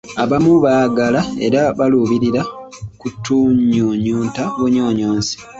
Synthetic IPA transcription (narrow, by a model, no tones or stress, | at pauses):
aβamuβaːɡalae̞̰ɾaβaluβiɾiɾakutːuɲuɲuːntaβuɲoːɲoːnsi̥